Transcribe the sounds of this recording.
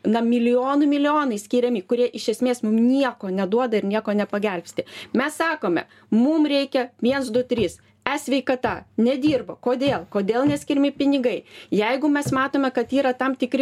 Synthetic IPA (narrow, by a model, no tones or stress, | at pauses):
nɐmʲɪlʲɪjoːnʊmʲɪlʲɪoːnɐɪsʲkʲiːɾʲɛmʲɪkʊɾʲiɛʔɪʃʲɛsʲmʲeːsmʊmnʲiɛkoːnʲɛd̪uɔd̪ɐɪrnʲiɛkoːnʲɛpɐɡʲɛlʲpʲsʲt̪ʲɪmʲɛssɑːkoːmʲɛ̰ | mumrʲɛɪkʲɛʋʲiɛnsd̪ʊt̪ʲɾʲiːs | ɛsʲʋʲɛɪkɐt̪ɐnʲɛd̪ʲiːrbokoːd̪ʲeːlˠkoːd̪ʲeːlˠnʲɛsʲkʲɪɾʲmʲɪpʲɪnʲɪɡɐɪjɛɪɡʊmʲɛsmɑːt̪oːmʲɛkɐt̪iːɾɐt̪ɐmt̪ʲɪkɾʲɪ